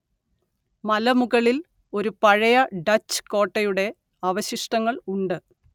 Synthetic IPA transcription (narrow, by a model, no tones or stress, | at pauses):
mɐlɐmuɣɐɭil | o̞ɾupɐɻɐjɐɖɐt͡ɕːɨ̥ko̞ːʈːɐjuɽe̞ | ɐʋɐɕiʂʈɐŋːɐɭuɳɖɨ